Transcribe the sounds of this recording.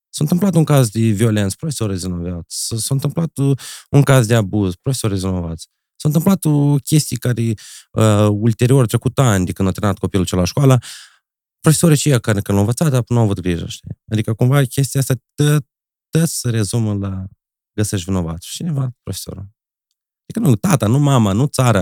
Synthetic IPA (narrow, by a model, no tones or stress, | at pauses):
sawɨnt̪ɨmplat̪uŋkazd̪evio̞le̞nt̪spɾofesoɾezvinovat̪ssəsawɨnt̪ɨmplat̪uŋkazd̪eabuzpɾofesoɾizvino̞va̰t̪sʲ | sawɨnt̪ɨmplat̪okʲe̞st̪ijkaɾeəult̪e̞ɾio̞ɾt̪ɾe̞kut̪anʲd̪ekɨnd̪awt̪ɾeat̪̚ko̞pilut͡ʃelaʃkoalə | pɾofesoɾit͡ʃijakakənlawɨ̃nvətsat̪apnuawavut̪̚ɡɾiʒə̰ʃt̪ḭad̪ikəkumvakʲe̞s̬t̪iaast̪ʲat̪ə | t̪ːət̪sʲsəɾe̞zuməla | ɡəseʃt̪ʲvino̞va̰t̪sʲt͡ʃinevapɾofeso̰ɾa̰ | d̪ikənut̪at̪anumamanut̪saɾa